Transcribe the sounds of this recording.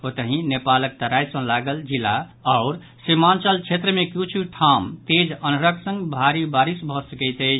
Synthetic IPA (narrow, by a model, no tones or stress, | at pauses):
ɦot̪əɦĩnepalək̚t̪əɾajsə̃laɡəld͡ʒilːaaʊɾ | simant͡ʃəlt͡ʃʰet̪ɾəmekjut͡ʃʰiʈʰamt̪ed͡ʒənəɾəksə̃ŋɡbʱaɾibaɾisbʱɔsəkɛjt̪əjt͡ʃʰ